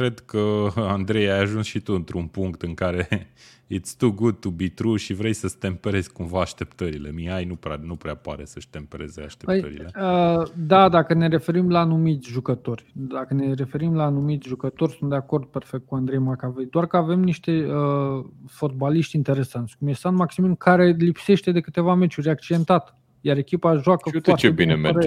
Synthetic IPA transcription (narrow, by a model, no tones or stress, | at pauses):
kɾe̞d̪kəand̪ɾe̞jajaʒunsʃit̪uɨnt̪ɾunpuŋkt̪ɨŋkaɾe̞ | jet̪sʲt̪uɡud̪̚t̪ubit̪ɾuʃivɾe̞jsəst̪e̞mpeɾe̞z̥ʲkumvaːʃt̪e̞pt̪əɾile̞miajnupɾa̰nupɾeapaɾe̞səʃʲt̪e̞mpeɾe̞zea̰ʃt̪epəjə̰ɾḭleəd̪ad̪akəne̞ɾe̞fe̞ɾimlaːnumit̪sʲʒukət̪o̞rʲd̪akəne̞ɾe̞fe̞ɾimlaːnumit̪sʲʒukət̪o̞rʲsunt̪d̪eako̞rd̪̚pe̞rfek̚t̪̚kuand̪ɾejmakavejd̪oarkəave̞mniʃt̪e̞əfo̞t̪̚baliʃt̪ʲint̪e̞ɾe̞sant̪sʲkumjest̪anmaksiminkʰaɾe̞lipse̞ʃt̪e̞d̪e̞kɨt̪e̞vame̞t͡ʃuɾʲak̚t͡ʃid̪e̞nt̪at̪ | jaɾe̞kʲipaʒuakəfartt͡ʃeebinemɾe